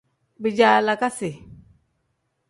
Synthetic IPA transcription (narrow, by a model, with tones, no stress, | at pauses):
bi˨d͡ʒa˨la˨ka˦si˨